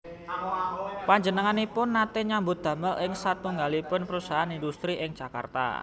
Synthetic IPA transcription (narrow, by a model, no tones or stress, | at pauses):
paɲd͡ʒənəŋanipʊnːat̪ɛɲambʊt̪̚d̪̥a̤məlɪŋsat̪uŋɡalipʊnpəɾusaɦanindust̪ɾiʔɪŋ̥ʒ̥aka̰rt̪a̰